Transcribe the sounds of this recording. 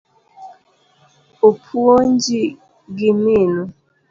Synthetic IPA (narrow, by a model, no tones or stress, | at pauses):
opʰuond͡ʒi | ɡiminu